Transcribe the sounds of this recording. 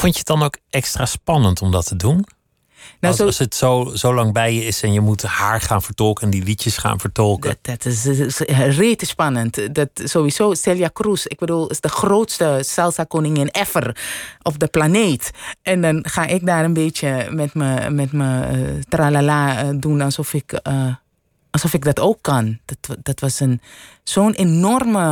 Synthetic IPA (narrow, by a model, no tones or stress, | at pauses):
fɔntjət̚dɑnokɛkstraːspɑnəntʰɔmdɔtʰədun | nsˠsətsozowlɑŋbɛjjəɪsɛnjəmuthaːɹχaːnfəɹtɔlˠkɛndiʋitjəsχa̰ːnvəɹtɔlˠkədtɪs | reːtəspɑnəntdɔtsoːʋizoːstɛlˠjakrusɪɡ̚bədulˠɪsdəxroːtstəsɛlˠsakonɪŋɪnɛfərʔɔfdəplaneːtʔɛndɔnxaːʔɪk̚daːɾənbeːtjəmɛtməmɛtmətralaladunɔsɔfɪk | lsɔfɪk̚dɔtoːkʰːantd̥ɔtʋɔsənsoːnenɔrmə